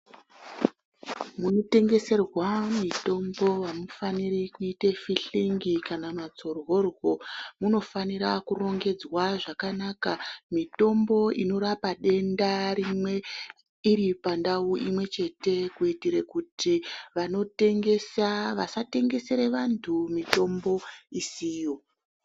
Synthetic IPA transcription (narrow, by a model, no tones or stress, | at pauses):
muno̞te̞ŋɡe̞se̞rwamito̞mbo̞ʋamufanirikuitefiɬiŋɡikanamat͡so̞rwo̞rwo̞muno̞faniɾakuro̞ŋɡe̞d͡zwaʐakanakamito̞mbo̞ino̞ɾapaɗe̞ndaɾimwe̞ | iɾipandauʔimwe̞t͡ʃe̞te̞kuitiɾekutʰiʋano̞te̞ŋɡe̞saʋasate̞ŋɡe̞se̞ɾe̞ʋantʰumito̞mbo̞isijo̞